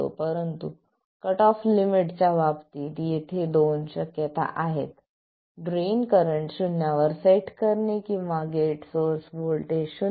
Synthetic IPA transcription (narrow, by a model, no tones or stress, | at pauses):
o̰pəɾənt̪ṵ | kəʈɔflimiʈt͡ɕjaʋapt̪iːt̪jet̪ʰed̪onɕəkjət̪a̰ʔaɦḛt̪ | ɖɾenkəɾəɳʈɕunjaʋəɾsajiʈkəɾnekĩʋaɡeʈsoɾsbolʈ̪eɕu